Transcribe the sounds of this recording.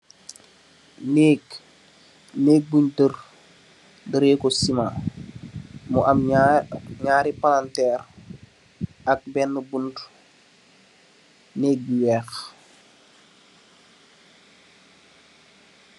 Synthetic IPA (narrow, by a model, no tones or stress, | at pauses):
nek | neːk̚buɲtər | dəɾekosima | muʔɐmaɲaːɾipalantɛːɾ | ɐk̚bɛnːəbunt | nɛːk̚biwɛːx